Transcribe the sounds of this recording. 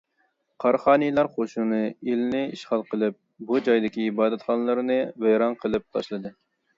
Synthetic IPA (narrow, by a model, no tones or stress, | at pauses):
qʰɑɾχɑːnɨjlˠɑɾχoʃunɨelɪnɪiʃχɑlˠqəlˠɨp̚ | bud͡ʒɑjd̪ɪkʲiːbɑːd̪ɛt̪χɑnəlˠɨɾɨnɨvæjɾɑnqʰəlˠɨp̚t̪ʰɑʃlˠɨd̪ɨ